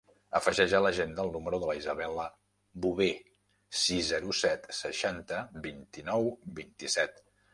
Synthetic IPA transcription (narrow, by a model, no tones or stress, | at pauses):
əfəʒɛʒələʒend̪əːlˠnuməɾuðələizəβɛlə | buβe | sizzːɛɾusɛt̪səʃant̪əbint̪inɔwbint̪isɛt̪